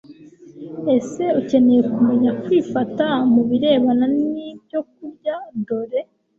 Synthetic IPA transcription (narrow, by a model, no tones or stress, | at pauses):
e̞se̞uce̞ne̞je̞kume̞ɲakwifatamuβiɾe̞ːβananiːbɟo̞k̚uɾɟado̞ɾe̞